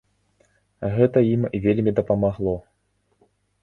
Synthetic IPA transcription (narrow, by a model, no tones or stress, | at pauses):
ɣɛt̪ɐjimvʲelʲmʲid̪ɐpɐmaɣlˠɔ